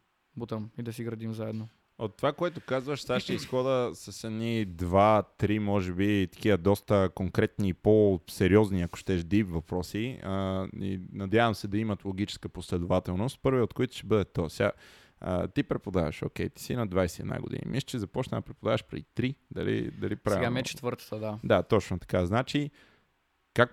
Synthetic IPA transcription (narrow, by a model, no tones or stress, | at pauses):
but̪əmid̪ɐsiɡɾɐd̪imzaɛd̪no | ot̪ːovakoɛt̪okazvəʃsaʃɛisxɔd̪əsɐsɛd̪nid̪vat̪ɾimɔʒɛbit̪ɐ̥kivəd̪ɔst̪əkoŋkɾɛt̪niːposɛɾiɔzniɐkʊ̥ʃt̪ɛʒd̪ipvɐpɾɔsi | ḭnɐd̪ʲjavəmsɛd̪ɐimɐt̪lˠoɡ̟it͡ʃɛ̥skəposlɛd̪ovat̪ɛlˠnost̪̚pɤɾviot̪̚koit̪ʊ̥ʃt̪ɛbɤd̪ɛt̪osɛa | ə̰t̪ipɾɛpod̪a̰və̰ʃo̰kʲɛjt̪i̥sinɐd̪vajsɛiːɛd̪na̰ɡʊ̰d̪ḭnḭmʔiʃt͡ʃizɐpɔt͡ʃnəd̪ɐpɾɛpod̪avəʃpɾɛ̰d̪it̪ɾid̪ɐ̰lḭd̪ɐlipɾaviamiɛt͡ʃɛ̥t̪vəɾt̪ə̥t̪əd̪ad̪at̪ɔt͡ʃnot̪ɐ̥kaznat͡ʃi | kak̚